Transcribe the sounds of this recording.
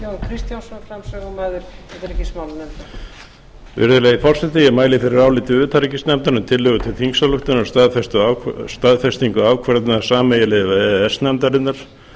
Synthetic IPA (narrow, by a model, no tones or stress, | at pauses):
jownkʰɾist̪jansɔnfɾamsɛɣɔmaːðʏɾɛt̪ɪɾɛcːɪsmawlnɛmt̪ḁ | vɪ̰ɾðʏlɛɣɪfɔr̥sɛt̪ɪjɛmaːjlɪfɪɾɪɾaːwlɪːt̪ɪʏːt̪ʰaɾicɪst̪nɛmt̪aɾnʏmt̪ʰɪlːɛɣʏt̪ʰɪlθiŋksalʏxt̪ʏnʏmst̪aðfɛst̪ʏast̪aðfɛst̪iŋkʏaːwkʰvɛɾt̪nasaːmɛjɪlɪvaɛɛsnɛmt̪aɾɪnːaɾ̥